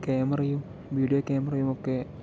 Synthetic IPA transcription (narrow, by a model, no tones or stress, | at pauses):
keːmɐrɐjum | ʋiːɖijokeːmɐrɐjumokːe